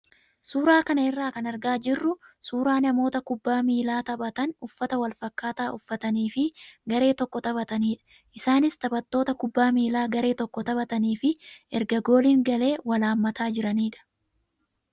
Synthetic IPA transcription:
suːɾaːkɐnɐɛrːaːkɐnɐɾɡaːd͡ʒɪrːʊsuːɾaːnɐmo̞ːt̪ɐkʊbːaːmiːlaːt̪ɐbɐt̪ɐnʊfːɐt̪ɐwɐlfɐkːaːt̪aːʔʊfːɐt̪ɐniːfɪɡɐɾe̞ːt̪ɔkːɔt̪ɐbɐt̪ɐniːᶑɐ̥ | ʔɪsaːnɪst̪ɐbɐt̪ːo̞ːt̪ɐkʊbːaːmiːlaːɡɐɾe̞ːt̪ɔkːɔt̪ɐbɐt̪ɐniːfɪɛɾɡɐɡo̞ːliːŋɡɐle̞ːwɐlaːmːɐt̪aːd͡ʒɪɾɐniːᶑɐ̥

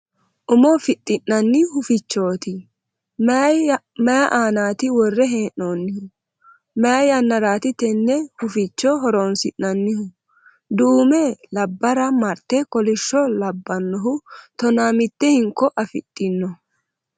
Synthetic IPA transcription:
ʔʊmɔfɪt̪ʼːɪnːɐnːɪhʊfɪt͡ʃːo̞ːt̪ɪ | mɛjɐʔaːnaːt̪ɪwɔrːɛɦeːnʔːoːnːɪhʊ | mɛjɐjɐnːɐɾaːt̪ɪt̪ɛnːɛhʊfɪt͡ʃːɔɦɔɾoːnsɪnːɐnːɪhʊ | d̪uːmɛlɐbːɐɾɐmɐɾt̪ːɛkɔlɪʃːɔlɐbːɐnːɔɦʊt̪ɔnaːmɪt̪ːɛhɪŋkːɔʔɐfɪ̰t̪ʼːɪnːɔ

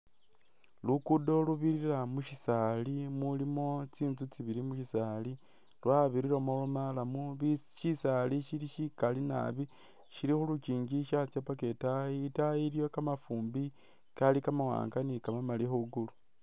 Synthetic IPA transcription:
lukudo̞luβiɾiɾamuʃisalimulimo̞t͡siːnzut͡siβiɾimuʃisaːli | lwaβiɾiɾomolomalamuβiʃisaliʃiliʃikalina̰βi | ʃiɾixuluciːɲɟiʃat͡sjapaketajiːtajiɾjo̞kamafuːmbi | kalikamawa̰ːŋɡanikamamalixuɡulu

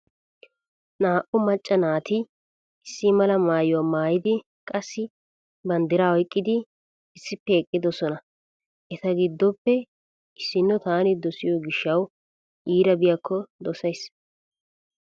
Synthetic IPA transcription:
naːʔʊmɐt͡ʃʼːɐnaːt̪ɪ | ɪsːɪmɐlɐmaːjʊwaːmaːjɪd̪ɪ | kʼɐsːɪ | bɐnd̪ɪɾaɔjkʼːɪd̪ɪ | ɪsːɪpːɛɛkʼːɪd̪ɔsɔnɐ | ʔɛt̪ɐɡɪd̪ːɔpːɛ | ɪsːɪnːɔt̪aːnɪd̪ɔsɪjɔɡɪʃːɐw | ʔiːɾɐbɪjakːɔd̪ɔsɐjs

